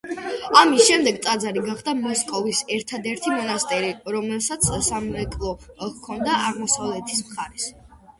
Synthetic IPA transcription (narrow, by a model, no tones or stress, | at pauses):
amisʃɛmd̪ɛɡt̪sʼad̪zaɾiɡaχd̪amɔskʼɔvisɛɾt̪ʰad̪ɛɾt̪ʰimɔnast̪ʼɛɾiɾɔmɛlˠsat̪sʰsamɛkʼlˠɔkʰɔnd̪aaʁmɔsavlɛt̪ʰi̥smχaɾɛs